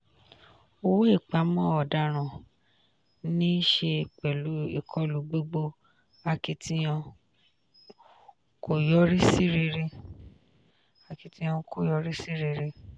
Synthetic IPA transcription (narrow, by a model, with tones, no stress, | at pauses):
o˧wo˦i˦˨k͡pa˨˦mɔ̃˦ɔ˨da˧˦ɾ̃ã˨ | nĩ˦ʃe˧k͡pɛ˨lu˨˦ḭ˦˨kʰɔ˨˦lu˨˦ɡ͡bo˦ɡ͡bo˧ | a˧ki˧tʰi˧j̃ã˧ | ko˨jɔ˦ɾi˦si˦ɾi˧ɾe˧ | a˧ki˧tĩ˧˦ã˧kʰo˦˨jɔ˧ɾi˦si˦ɾi˧ɾe˧